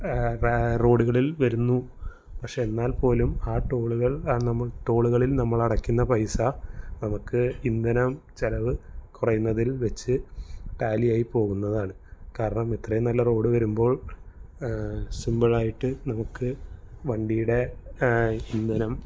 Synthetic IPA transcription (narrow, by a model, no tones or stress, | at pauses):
ro̞ːɽuɣɐɭilʋɐɾunːu | pɐkʂe̞enːaːlpo̞ːlumaːʈːo̞ːɭuɣɐɭnɐmːɐɭʈo̞ːɭuɣɐɭilnɐmːɐɭɐɽɐkːunːɐpɐjsɐnɐmukːɨind̪ɐnɐmt͡ɕɐlɐʋɨkurɐjunːɐðilʋet͡ɕːɨʈaːlijaːjipo̞ːɣunːɐðaːɳɨkaːɾɐɳɐmet̪rɐjɐnɐlːɐro̞ːɽɨʋɐɾumbo̞ːɭ | simbɐɭaːjiʈːɨnɐmukːɨʋɐɳɖijuɽe̞ | ind̪ɐnɐm